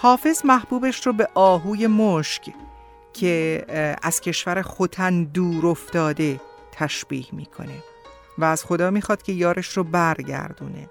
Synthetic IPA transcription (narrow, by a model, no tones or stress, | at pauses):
hɒːfe̞zmæhb̥uːbeʃrobe̞ʔɒːɦuːje̞moʃc | cʰe̞æz̥cʰe̞ʃvæɾexot̪ʰænd̪uːɾo̞ft̪ɒːd̪e̞ | t̪ʰæʃb̥ḭːhmiːkʰo̞̰ne̞ | væːz̥xo̞d̪ɒːmiːxɒːd̪̥cʰe̞jɒːɾʔeʃrobæɾɟæ̰ɾd̪ṵːne̞̰